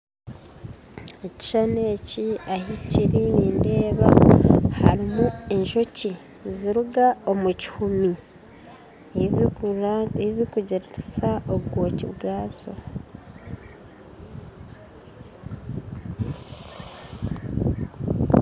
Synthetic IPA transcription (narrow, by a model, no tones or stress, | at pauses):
eci̥ʃane̞ːciahiciɾiniːnde̞ːβaha̰ɾimue̞ɲʃo̞ci | ziɾuɡaomuci̥humi | zikuɟiɾɾisaʔoɡwoːcḭβɡaːzo̞̰